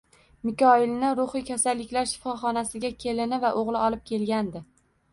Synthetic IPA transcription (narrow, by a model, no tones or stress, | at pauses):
mɪkʲɒɪlnɪɾʊχɪjkʲʰasalːɪkʲlaɾʃɪ̥fɒχɒnasɪɡʲakʲʰe̞lɪnɪvaʔoʁlˠɪɒlˠɪp̚kʲʰe̞lɡʲand̪ɪ